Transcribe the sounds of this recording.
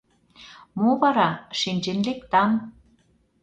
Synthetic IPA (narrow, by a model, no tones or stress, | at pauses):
moβɑɾɑʃinʲd͡ʑĕnlekt̪ɑm